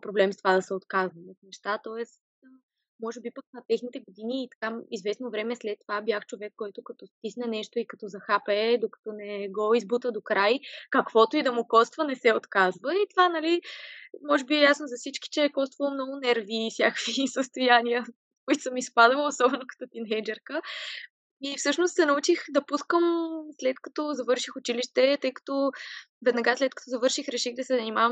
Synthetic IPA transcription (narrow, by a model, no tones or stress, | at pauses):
pɾoblɛmst̪ovad̪ɐsɛot̪kazvɐmot̪nɛʃt̪at̪ɔɛst̪ | mɔʒɛbipəknɐt̪ɛxnit̪ɛɡod̪iniːt̪ɐ̥kaizvɛsnovɾɛmɛslɛt̪ːovabjaxt͡ʃovɛkːɔjt̪ʊkɐt̪ɔst̪isnɛnɛʃt̪oikɐt̪ɔzɐxapɛd̪okɐ̥t̪ɔnɛɡɔizbut̪əd̪okɾajkɐkv̥ɔt̪oid̪ɐmʊkɔst̪vənɛsɛot̪kazvəit̪ovanɐlimɔʒɛbiɛjasnozɐfsit͡ʃki̥t͡ʃɛɛkɔst̪vəlˠomnɔɡʊnɛɾvifsʲjakvisəst̪ojanijə | koit̪ʊ̥səmispad̪vəlˠosɔbɛnokɐ̥t̪ɔt̪inɛjd͡ʒɛɾkə | ifsɤʃnost̪sɛnɐut͡ʃixd̪ɐpuskəmslɛt̪kɐt̪ɔzɐvɤɾʃixʊt͡ʃiliʃt̪ɛt̪ɤjkɐ̥t̪ɔvɛd̪nɐɡaslɛt̪̚kɐt̪ɔzɐvɤɾʃixɾɛʃiɣd̪ɐsɛzɐnimavə